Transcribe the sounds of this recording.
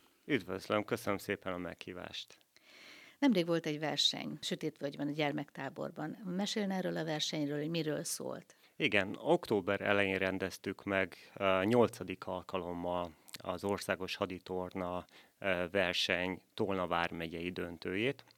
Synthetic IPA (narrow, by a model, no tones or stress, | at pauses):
yd̪vøzlømkøsønømseːpɛnɒmɛ̰khiːva̰ːʃt̪ | nɛmreːɡʋo̞lt̪ɛɟvɛrʃɛ̰ɲʃøt̪eːt̪ʋøɟbɛnɒɟɛrmɛkt̪aːbo̞̰rbɒnmɛʃeːlnɛrøːlɒvɛrʃɛɲrøːlhoɟmiɾø̰ːlso̰ːlt̪ | iɡɛno̞kt̪oːbɛɾɛ̰lɛjiːnrɛnd̪ɛst̪ykmɛɡɲo̞lt̪sɒd̪ikɒlkɒlo̞mːɒlɒ̰zo̞rsaːɡo̞ʃhɒd̪it̪ornɒ | vɛrʃɛɲt̪olnɒvaːrmɛɟɛjid̪ønt̪øːjeːt̪